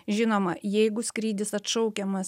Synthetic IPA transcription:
ʒʲɪnoːmɐjɛɪɡʊskɾʲiːd̪ʲɪsɐt̪ʃɔʊkʲɛmɐs

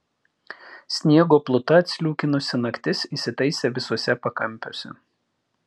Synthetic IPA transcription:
sʲnʲiɛɡoːplˠʊt̪ɐɐt̪ʲsʲlʲuːkʲɪnʊsʲɪnɐkʲt̪ʲɪsisʲɪt̪ɐɪsʲeʋʲɪsuɔsʲɛpɐkɐmʲpʲo̰ːsʲɛ̰

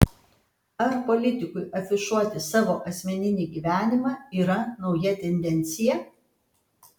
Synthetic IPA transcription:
ɐɾpolʲɪt̪ʲɪkʊɪʔɐfʲɪʃuɔt̪ʲɪsɑːʋoːʔɐsʲmʲɛnʲɪnʲiːɡʲiːʋʲæːnʲɪmɑːiːɾɐnɒʊjɛt̪ʲɛnʲd̪ʲɛnʲt̪sʲɪjɛ

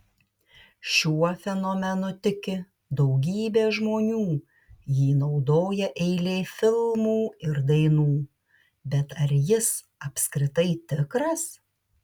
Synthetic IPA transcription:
ʃʲuɔfʲɛnomʲɛnot̪ʲɪkʲɪ | d̪ɒʊɡʲiːbʲeːʒmoːnʲuː | jiːnɒʊd̪oːjɛʔɛɪlʲeːfʲɪlˠmuːɪɾd̪ɐɪnuː | bʲɛt̪ɐɾjɪs | ɐpʲsʲkɾʲɪt̪ɐɪt̪ʲɪkɾɐs

